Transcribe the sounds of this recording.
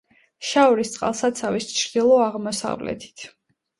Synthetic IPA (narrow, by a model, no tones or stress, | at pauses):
ʃaɔɾist̪sʼqʼa̰lˠsad̪t̪sʰavist͡ʃʰɾd̪ilˠɔaʁmɔsa̰vlɛ̰t̪ʰi̥t̪ʰ